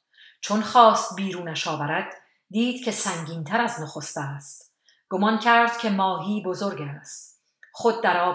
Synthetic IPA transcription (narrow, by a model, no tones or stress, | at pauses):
t͡ʃʰonxɒːst̪̚biːɾuːnæʃɒːvæɾæd̪̥ː | iːd̪̥cʰe̞sæŋɟiːnt̪ʰæɾæznoxo̞st̪æːst̪ | ɡ̥omɒncʲʰæɾd̪̥̚cʲʰe̞mɒːɦiːbozoɾɡæːst̪ | χod̪̚ːæɾɒː